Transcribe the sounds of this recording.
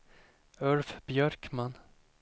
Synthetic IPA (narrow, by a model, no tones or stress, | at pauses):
ɵlfbjœɾkman